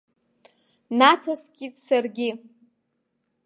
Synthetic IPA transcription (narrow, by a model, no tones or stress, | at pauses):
natʰoskʲʼitʼsarɡʲɪ